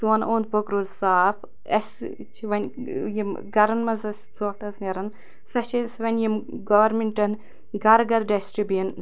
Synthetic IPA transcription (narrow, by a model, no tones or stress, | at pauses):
suʋɐnʔoːnd̪̚pokɾulsaːpʰ | ɐ̰s | t͡ʃʰiʋɐnʲjimɡɐɾɐnmɐzɐs | oʈɐsnɐɾɐn | sɐt͡ʃʰisʋɐnʲjimɡɐʋɐɾmʲiɳʈɐn | ɡɐɾɡɐɾɖɐsʈibjɐn